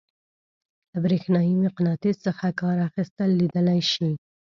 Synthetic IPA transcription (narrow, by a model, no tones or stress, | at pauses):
labɾexnɑjimɪqnɑt̪ezsəxakɑɾaxist̪əlːid̪əlajʃi